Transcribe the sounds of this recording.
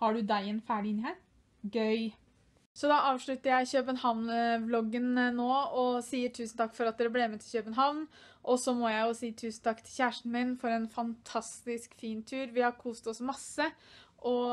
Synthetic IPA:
hɑɖʉd̪æɪɛnfæːɖɪɪnːɪæː | ɡœʏ | sɔd̪ɑʔɑːʋʂɭʉt̪əɾjæɪçœːpənhɑʋnblɔɡːənnoːɔsiːəʈʰʉːsn̩t̪ɑkːfɔɾɑt̪̚d̪ɛbleːmeːt̪ʰɪçœːpənɦɑʋn | ʔɔsɔmɔjæɪjʊsiːt̪ʰʉːsn̩t̪ʰɑkːt̪ʰɪlçæːʂʈn̩mɪnfɔɾɛːnfɑnt̪ʰɑst̪ɪskfiːnt̪ʰʉːɾʋɪhɑɾkʰuːst̪t̪ɔsmɑsːəʔɔ

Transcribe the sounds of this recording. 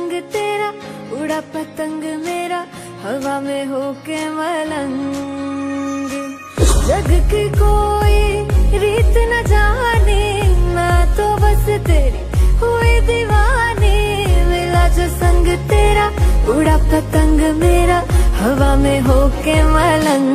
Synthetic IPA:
ŋɡt̪eːɾaʊɽapɐt̪əŋɡmeːɾa | hɐʋamẽɦoːkeʋɐlɐŋ | ɡi | d͡ʒɐɡkikoːiɾiːt̪nɐd͡ʒaːninat̪obɐset̪eːɾiɦoːid̪iʋaːni | mɪlad͡ʒoːsɐ̃ŋɡt̪eːɾaʊɽapɐt̪əŋɡmeːɾahɐʋamẽɦoːkeʋɐlɐŋ

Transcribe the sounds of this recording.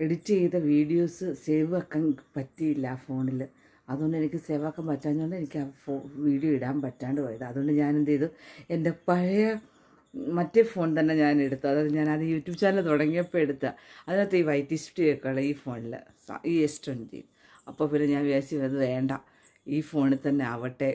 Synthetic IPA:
eɽut͡ɕːɨejt̪ːɐʋiːɽijo̞ːsɨseːʋɨɐkːaːnpɐtːijilːɐafo̞ːɳil | ɐðuɣoɳɖɨe̞nikʲːɨse̞ːʋaːkːaːmpɐtːaːɲːoɳɖɨe̞nikʲːafoːʋiːɽijoːiɽaːnpɐtːaːɳɖɨpoːjɐðɨɐðuɣoɳɖɨɲaːnend̪ejðɨe̞nde̞pɐɻɐjɐ | mɐtːefo̞ːɳt̪ɐnːe̞ɲaːne̞ɽut̪ːuɐðaːðeɲaːnɐðɨjuːtːjuːbt͡ɕaːnilt̪uɽɐŋːijɐpːoːeɽut̪ːɐɐðinot̪ːeiːʋɐjtːisfʈiekːeɭːɐiːfo̞ːɳil̰sa̰ʔiːesʈont͡ɕḛj | ɐpːo̞ːpinːeɲaːnʋjaːsiʋɐnd̪ɨðeːɳɖa | iːfo̞ːɳilt̪ɐnːe̞ɐʋɐʈːe̞

